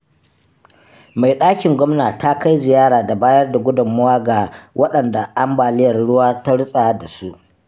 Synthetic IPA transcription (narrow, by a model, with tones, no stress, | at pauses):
ma˨jɗaː˦kʲɪ˨ŋɡʷɔ˦mnaː˨ta˦ka˦jzɪ˨jaː˦ɾaː˨da˨baː˦jɐ˦rda˨ɡʷʊ˦dʊ˨mːʊ˦waː˦ɡa˨wʔɐ˦ɗɐ˨nda˨ʔa˦mbaː˨lɪ˦jɐ˨rɽʊ˦waː˦ta˦ɽʊ˦sʼa˨˦da˨su˦ʔ